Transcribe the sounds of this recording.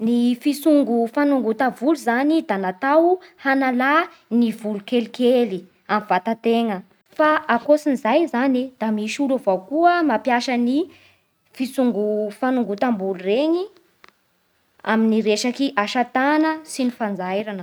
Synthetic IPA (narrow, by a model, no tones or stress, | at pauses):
nifisuŋɡufanuŋɡut̪avuluzanid̪anat̪awhanala | nivulukelikeli | amivat̪at̪eŋə | faʔakosinzajzanid̪̥amiʃuluvawkuəmapjaʃəni | fisuŋɡufanuŋɡut̪ambulureɲi | a̰miniɾeʃakiʔaʃat̪anəsinifand͡zajɾanə